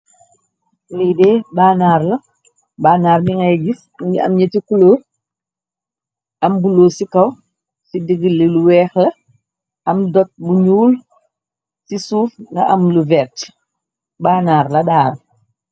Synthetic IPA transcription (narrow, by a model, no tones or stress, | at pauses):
lidɛːbaːnaːɾlɐ | baːnaːɾmiŋɐɟis | ɐ̰mɲɐtikuloː | ʔɐmbuloːsikɐw | sidiɡilːeluwɛːxlɐ | ɐmdɔt̚buɲuːl | sisuːfŋɡɐ̰ʔɐmluvɛt | baːnaːɾlɐdaːɾ